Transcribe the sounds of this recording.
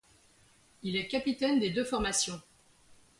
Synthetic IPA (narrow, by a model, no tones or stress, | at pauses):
ilɛkʲapit̪ɛnd̪ed̪øfɔʁmasjɔ̃